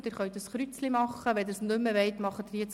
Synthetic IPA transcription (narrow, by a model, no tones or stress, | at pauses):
d̥̪ɪːɾχœɥt̪əsχɾyt͡slimɑχːəʋɛd̪əɾsnʏmːəʋɛɪt̪mɑχːət̪ɪɾjɛt͡s